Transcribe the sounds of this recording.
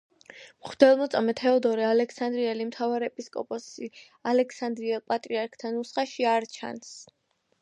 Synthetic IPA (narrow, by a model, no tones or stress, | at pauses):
mχd̪̥ɛlˠmɔt̪sʼamɛt̪ʰɛɔd̪ɔɾialɛkʰsand̪ɾiɛlimt̪ʰavaɾɛpʼiskʼɔ̰pʼɔsi | alɛkʰsand̪ɾiɛlˠpʼat̪ʼɾiaɾkʰt̪ʰanusχaʃiaɾt͡ʃʰa̰ns